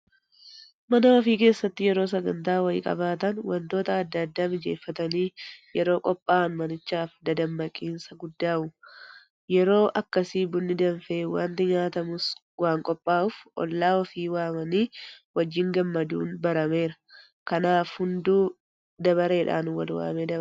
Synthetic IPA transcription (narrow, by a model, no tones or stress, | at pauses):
mɐnɐɔfiːke̞ːsːɐt̪ːɪjɛɾo̞ːsɐɡɐnt̪aːwɐɪkʼɐ̰baːt̪ɐnwɐnt̪o̞ːt̪ɐːd̪ːɐd̪ːaːmɪd͡ʒe̞ːfːɐt̪ɐniːjɛɾo̞ːkʼɔpʼːaːnmɐnɪt͡ʃːaːfd̪ɐd̪ɐmbɐkʼːiːnsɐɡʊd̪ːaːʔʊ | jɛɾo̞ːʔɐkːɐsiːbʊnːɪd̪ɐnfeːwa̰ːnt̪ɪɲaːt̪ɐmʊs | waːŋkʼɔpʼːaːʊfʔɔ̰lːaːɔfiːwaːmɐniːwɐd͡ʒːɪŋɡɐmːɐd̪ṵːnbɐɾɐme̞ːɾɐ | kɐnaːfhʊnd̪uː | d̪ɐbɐɾe̞ːᶑa̰ːnwɐ̰lwa̰ːmeːd̪ɐb